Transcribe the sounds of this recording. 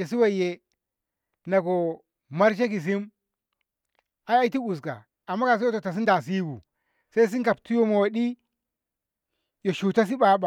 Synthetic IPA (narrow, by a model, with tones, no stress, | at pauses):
e˨si˦wa˦˨je˦ | na˨ɡo˨ | ma˦ɾʃ̬e˦ki˨s̬i˦m | a˦a˦i˦ti˦u˨s̬ka̰˨ | a˨mːa˦ka˨si˦o˦to˨ta˨s̬i˦nda˨s̬i˦bṵ˨ | sa˦i˦s̬i˦ŋka˨p̚tu˦jo˦mo˨wa˨ɗi˦ | jo˨ʃu˨ta˦s̬i˦ba˨˦ba˨